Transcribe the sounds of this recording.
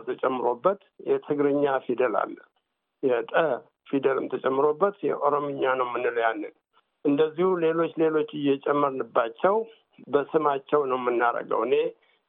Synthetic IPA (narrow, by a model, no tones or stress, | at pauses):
t̪ʰət͡ʃʼɛmːɨɾo̞bːət̪jɛt̪ʰɨɡɾɨɲːafid̪əla̰lːə | jɛt̪ʼə | fid̪əlɨmt̪ʰət͡ʃʼɛmːɨɾo̞bːət̪jɛ̰ʔo̞ɾomɨɲːanəwmɨnːɨləjanːɨn | ʔɨnd̪əzːihule̞lo̞t͡ʃːle̞lo̞t͡ʃːɨjɛt͡ʃʼɛmːəɾnɨbːat͡ʃːɛw | bəsɨmat͡ʃːɛwnəwmɨnːaɾə̰ɡə̰wɨne̞